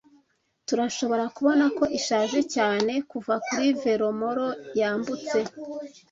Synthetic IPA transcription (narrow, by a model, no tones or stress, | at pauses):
tuɾaʃo̞βo̞ɾakuβo̞nako̞ʔiʃaːʒe̞caːne̞kuvakuɾive̞ɾo̞mo̞ɾo̞jaːmbut͡se̞